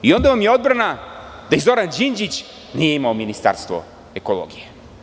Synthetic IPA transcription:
io̞nd̪aʋamjeo̞d̪bɾanad̪̥aizo̞ɾand͡ʒind͡ʑit͡ɕ | nije̞imaominist̪a̰ɾst̪ʋo̰ | e̞kolˠo̰ɡije

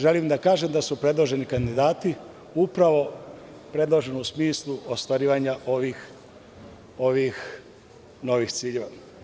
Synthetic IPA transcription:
ʒe̞limd̪akaːʒemd̪asupɾe̞d̪lˠo̞ʒe̞nikand̪id̪aːt̪i | upɾaʋo̞ | pɾe̞d̪lˠo̞ʒe̞nusmiːslˠuost̪ʋaɾiːʋaɲaʔo̞ʋix | o̞ʋix | no̞ʋixt̪siːʎe̞ʋa

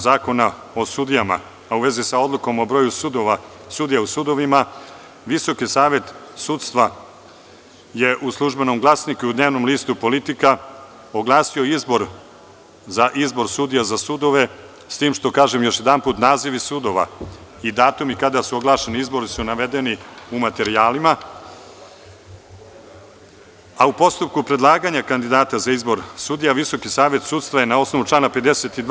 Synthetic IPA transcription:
zaːko̞na | o̞sud̪ijama̰ː | uʋe̞zisao̞d̪lˠuko̞mo̞bɾo̞ːjusud̪oʋa | sud̪ijausud̪o̞ʋima | ʋiso̞kisaːʋe̞t̪sut̪st̪ʋa | je̞ʔuslˠuʒbe̞no̞mɡlˠaːsnikuiud̪ne̞ːʋno̞mliːst̪upo̞lit̪ika | oɡlˠaːsio̞izbo̞ɾ | zaʔizbo̞ɾsud̪ijazasud̪o̞ʋe̞ | st̪iːmʃt̪o̞kaːʒemjo̞ʃje̞d̪anpuːt̪naːziʋisud̪o̞ʋa̰ | id̪aːt̪umikad̪asuo̞ɡlˠaːʃe̞niizbo̞ɾisunaʋe̞d̪eniumat̪e̞ɾiaːlima | aupo̞st̪up̚kupɾed̪lˠaːɡaɲakand̪id̪aːt̪azaizbo̞ɾsud̪ijaʋiso̞kisaːʋe̞t̪suːt̪st̪ʋaje̞nao̞sno̞ʋut͡ʂlaːnape̞d̪eset̪id̪

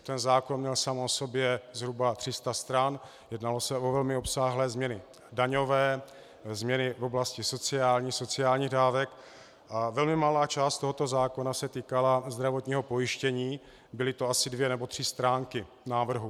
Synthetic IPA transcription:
t̪ɛnzaːko̞nmɲɛlsamo̞so̞bjɛzɦɾubat̪r̥ɪst̪ast̪ɾan | jɛdnalo̞sɛʔovɛlmɪo̞psaːɦlɛːzmɲɛnɪ | daɲo̞vɛː | zmɲɛnɪvoblascɪso̞t͡sɪaːlɲiːxso̞t͡sɪaːlɲiːɣdaːvɛk | ʔavɛlmɪmalaːt͡ʃaːst̪o̞ɦot̪o̞zaːko̞nasɛt̪iːkalazd̪ɾavot̪ɲiːɦopo̞jɪʃcɛɲiː | bɪlɪt̪oasɪdvjɛnɛbo̞t̪r̥ɪst̪ɾaːŋkɪ | naːvr̩ɦu

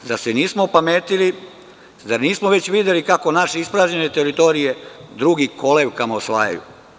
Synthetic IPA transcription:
d̪aseniːsmopameːt̪ili | zaɾniːsmoʋe̞t͡ɕʋid̪elikako̞naʃeispɾaːʒɲene̞t̪eɾit̪o̞ɾije̞d̪ɾuɡiko̞leʋkamaosʋa̰ːja̰jṵ

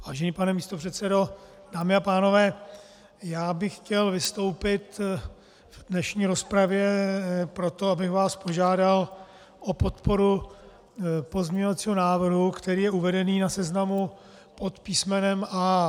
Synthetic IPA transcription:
vaːʒɛniːpanɛmiːst̪o̞pr̝̥ɛt̪sɛdo̞ | daːmɪapaːno̞vɛː | jaːbɪxcɛlvɪst̪o̞wpɪt̪ | vdnɛʃɲiːɾo̞spɾavjɛpɾo̞t̪oabɪxvaːspo̞ʒaːdal | ʔo̞po̞t̪po̞ɾu | po̞zmɲɛɲovat̪t͡siːɦo̞naːvr̩ɦukt̪ɛɾiːjɛuvɛdɛniːnasɛznamu | po̞t̪piːsmɛnɛmʔa

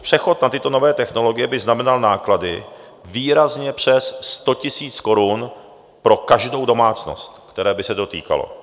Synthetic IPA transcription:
pr̝̥ɛxo̞t̪nat̪ɪt̪o̞no̞vɛːt̪ɛxno̞lo̞ɡɪjɛbɪznamɛnalnaːkladɪ̰ | viːɾazɲɛpr̝̥ɛsːt̪o̞cɪsiːt͡sko̞ɾun | pɾo̞kaʒdo̞wdo̞maːt͡sno̞̰st̪kt̪ɛɾɛːbɪsɛdo̞t̪ḭːka̰lo̰

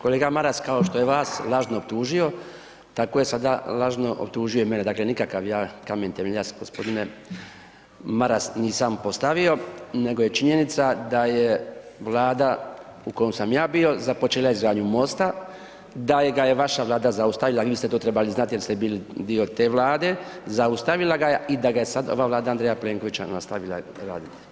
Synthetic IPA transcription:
ko̞leːɡamaɾaskaoʃt̪o̞je̞ʋaːslˠaʒnoob̚t̪uːʒio̞ | t̪ako̞je̞sad̪alaʒno̞ʔo̰p̚t̪uːʒijo̞ime̞ned̪aːkle̞nikakaʋjaːkament̪emeʎasɡospo̞d̪ine | maɾasniːsampo̞st̪aʋio̞ne̞ɡo̞je̞t͡ʃiɲe̞nit̪sad̪aje̞ | ʋlˠaːd̪a | uko̞jomsamjaːbio̞zapot͡ʃelˠajezɡaːɲumo̞st̪a | d̪ajeɡajeʋaʃaʋlˠaːd̪azaust̪aʋilaʋiːiːst̪e̞t̪oːt̪ɾebaliznat̪ijeist̪ebiːlid̪io̞t̪e̞ːʋlˠaːd̪e̞zaust̪aʋilˠaɡajeid̪aɡaje̞sad̪o̞̰ʋaːʋlaːd̪aand̪ɾejapleːŋko̞ʋit͡ɕa̰nast̪aʋila̰ɾa̰ːd̪it̪ɛ̥

